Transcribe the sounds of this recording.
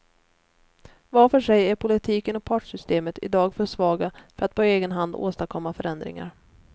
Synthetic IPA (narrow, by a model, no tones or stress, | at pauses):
vafœʂɛjæɾpʰʊlɪt̪ʰiːkənɔk̚pʰɑːʈʂʏst̪eːmət̪ɪ̰d̪ɑːɡfœʂvɑːɡafœɾat̪̚pʰɔeːɡənɦand̪o̰ːst̪akʰɔmːafœɾɛnd̪ɾɪ̰ŋa̰ɾ